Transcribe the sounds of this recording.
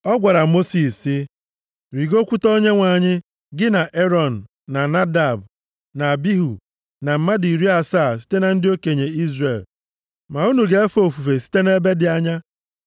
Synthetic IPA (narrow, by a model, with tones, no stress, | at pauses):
ɔ˦ɡʷa˨ɾa˨mo˦si˨sɪ˦ | ɾi˨ɡo˦kʷu˦to˦ɲe˦ŋʷa˨ɲɪ˦ | ɡɪ˦na˨ʔe˦ɾɔ˨n̩ː˨a˨na˦da˨b | na˨bi˦ɦu˨ | na˨m̩˨ma˦di˨ɾi˦a˨sa˦˨s̬i̥˦te˦na˨n̩˦dɪ˦o˦ke˨ɲe˨i˦zre˨l | ma˨u˦nu˨ɡe˦e˦fo˨fu˨fe˨si̥˦te˦ne˦be˦dɪ˨a˦ɲa˦